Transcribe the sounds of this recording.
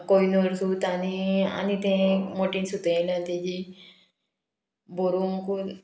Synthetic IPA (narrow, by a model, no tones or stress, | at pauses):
koinuɾsut̪ania̰nit̪ẽmoʈinsut̪ẽlãt̪ed͡ʑi | boɾuŋku